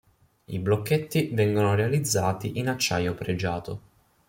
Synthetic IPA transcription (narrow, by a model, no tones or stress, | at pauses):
ḭblokːet̪ːivɛŋɡonoɾealid̪zːaːt̪iʔinat͡ʃːajopɾed͡ʒaːt̪o̰